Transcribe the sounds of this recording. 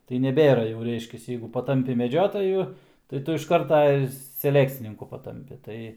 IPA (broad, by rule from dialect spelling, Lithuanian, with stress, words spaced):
tɐɪ nʲɛˈbʲeːrɐ jɛʊ ˈrʲɛɪʃʲkʲɛs ˈjɛɪɡʊ pɐˈtɐmʲpʲɪ mʲɛˈd͡ʒʲoːtɐjʊ tɐɪ ˈtʊ ɪʃ ˈkɐrtɐ ɪr sʲɛˈlʲæːkt͡sʲɪnʲɪŋkʊ pɐˈtɐmʲpʲɪ ˈtɐɪ